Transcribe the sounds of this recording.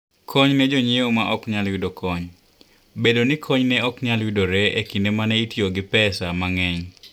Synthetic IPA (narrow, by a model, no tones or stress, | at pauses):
kʰɔɲnɛd͡ʒoɲeomaʔɔkɲalwidokʰɔɲ | bedonikʰɔɲnɛɔkɲalwidoɾɛekindemanɛitjoɡɪpɛsamaŋɛɲ